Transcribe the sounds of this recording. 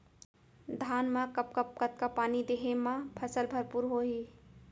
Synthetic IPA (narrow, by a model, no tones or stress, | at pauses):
d̪ʱaːnmãkəp̚kəp̚kət̪̚kapaːnid̪eɦemãpʰəsəlbʱəɾpuɾɦoɦi